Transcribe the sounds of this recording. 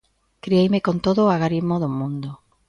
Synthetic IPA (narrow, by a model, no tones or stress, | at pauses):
kɾiejmekont̪oðoaɣaɾizmoðʊmũnd̪o